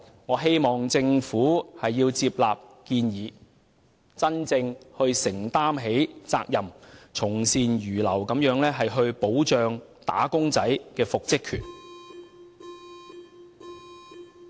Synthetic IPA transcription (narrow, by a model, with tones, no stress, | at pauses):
ŋɔː˨˧ɦe˥jmɔː˨ŋt͡sɪ˧ŋfuː˨˥hɐ˨jːiː˧wt͡siː˧p̚laː˨p̚kiː˧njiː˨˧ | t͡sɐ˥nt͡sɪ˧ŋhɵ˧ɥsɪ˨˩ŋt̪aː˥mɦe˨˥jt͡sa̰ː˧k̚jɐ˨˩mt͡sʰʊ˨˩ŋsiː˨njyː˨˩lɐ˨˩wkɐ˨˧˥mjœː˨˥ŋlɛː˥ɦɐ˨jɦɵ˧ɥpo˨˥wt͡ʃœː˨ŋ | t̪a̰ː˨˥kʊ˥ŋt͡sɐ˨˥jkɛː˧fʊ˨k̚t͡sɪ˥kʰːyː˨˩n